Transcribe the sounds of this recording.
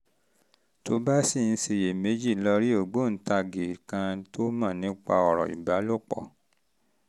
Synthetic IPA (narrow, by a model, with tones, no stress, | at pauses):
to˦ba˦si˦˨n̩˧se˧˨je˨me˨˦d͡ʒi˦˨lɔ˧ɾi˦o˦˨ɡ͡bo˦˨n̩˨˦ta˧ɡe˨kã˧to˦mãː˦˨nĩ˦k͡pa̰˧ɔ˧˨ɾɔ̰˨ḭ˨ba˨˦lo˦˨k͡pɔ̰˦˨